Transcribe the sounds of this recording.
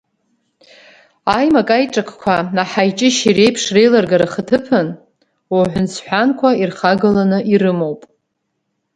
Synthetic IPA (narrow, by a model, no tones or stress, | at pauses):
ajmakʼajʈ͡ʂʼakʰʷkʷʰanaħajt͡ʃʼɪʃire̞jpʰʂre̞jlarɡaɾaχətʰɨpʰɨn | oħʷʊnt͡sʰħʷᶣankʷʰairχaɡɨlanɨʔiɾɨmo̞wpʼ